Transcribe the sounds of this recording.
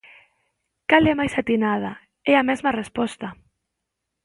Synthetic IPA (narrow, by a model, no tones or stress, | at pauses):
kalɛmajsat̪inað̞a | ɛamɛzmarespɔst̪a